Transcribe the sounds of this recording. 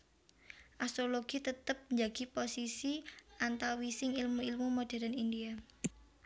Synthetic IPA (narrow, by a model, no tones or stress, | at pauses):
ʔast̪ɾoloɡ̥it̪ət̪əp̚ɲd͡ʒaɡ̥i̤posisiʔant̪awisɪŋilmuilmumoɖ̥a̤ɾanindia